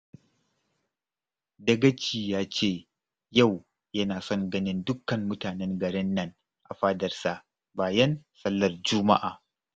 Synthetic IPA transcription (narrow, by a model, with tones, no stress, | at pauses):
dɐ˦ɡɐ˦t͡ʃiː˨jaː˦t͡ʃeː˦˨ | ja˦˨w | jɐ˦naː˨sɔ˦ŋɡɐ˦nɪ˦ndʊ˦kːɐ˨mmʊ˦taː˨nɛ˦ŋɡɐ˨ɽɛ˦nːɐ˦ŋ | ʔa̰˨ɸaː˦dɐ˨rsa˨ʔ | baː˨jɐ˦nsɐ˦lːɐ˨rd͡ʒʊ˦ma̰˦ʔaː˨